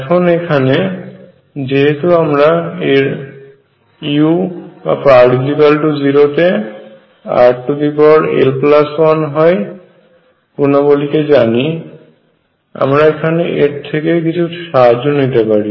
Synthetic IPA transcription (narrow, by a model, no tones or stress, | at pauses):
ɛkʰonekʰane | d͡ʑeɦet̪uamɾaeɾ | iuba̰paʈisipalʈud͡ʑiɾot̪e | a̰ʈʈud̪ipɔɾḛlplaswanɦɔj | punaboliked͡ʑani | a̰mɾaekʰaneʔeʈ̚t̪ʰekekit͡ɕʰuʃad͡ʑonit̪epaɾi